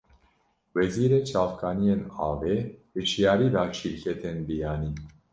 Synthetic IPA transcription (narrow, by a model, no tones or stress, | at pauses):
wɛziːɾeːt͡ʃʰɑːfkʰɑːnijeːnɑ̰ːveːbɨt͡ʃʰijɑːɾiːd̪ɑːt͡ʃʰiːɾkʰɛt̪ʰenbijɑːniː